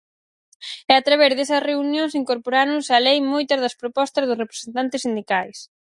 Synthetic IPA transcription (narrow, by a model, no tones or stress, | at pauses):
ɛat̪ɾaβ̞ɛɾðesɐsreunjõŋsiŋkoɾpoɾanʊsɐlejmojt̪ɐzðɐspɾopɔst̪ɐzðʊsrepɾe̥sent̪ant̪ɪsːind̪ikajs